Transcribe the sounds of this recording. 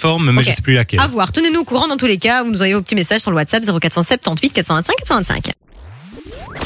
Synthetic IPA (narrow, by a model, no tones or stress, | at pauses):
fɔʁmmɛʒəsɛ̥plylakʲɛlavwaʁt̪ənenuokuʁɑ̃d̪ɑ̃t̪ulekavunuzvajẽvopət̪imesaʒsyʁləwat̪sapzeʁokat̪χsɑ̃sɛt̚t̪ɑ̃t̪ɥit̪̚kat̪sɑ̃vɛ̃t̪sɛ̃kːat̪sɑ̃vɛ̃t̪sɛ̰̃k